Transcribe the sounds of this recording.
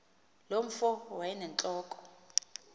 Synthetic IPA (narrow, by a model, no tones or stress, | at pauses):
lom̩fɔwajɛnɛnt͡ɬʼɔːkʼɔ̥